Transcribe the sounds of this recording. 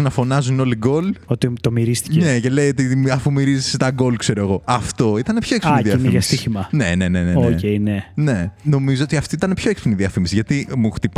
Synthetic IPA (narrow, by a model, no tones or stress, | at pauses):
nɐfo̞nɐzuno̞liɡo̞lot̪it̪omiɾist̪i̥cnece̞le̞iot̪iɐfumiɾiziset̪ɐɡo̞lkse̞ɾoeɣo̞ɐft̪o̞it̪ɐnepço̞eksfiniðiɐniɐst̪içimɐne̞̰ne̞ne̞neonceinene̞no̞mizoot̪iɐft̪iit̪ɐnepço̞eksfiniðiɐfimisiʝɐt̪imuxt̪ip